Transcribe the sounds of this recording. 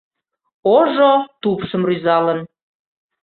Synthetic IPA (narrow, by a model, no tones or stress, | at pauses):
oʒot̪upʃə̆mryzɑlən